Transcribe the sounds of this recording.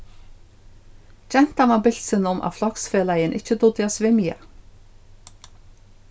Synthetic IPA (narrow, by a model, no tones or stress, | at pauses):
t͡ɕɛn̥t̪anmabɪl̥sɪnʊmʔa̰ðflɔksfeːlajɪnʔɪht͡ɕːət̪ʊt̪ɪasvɪmija̰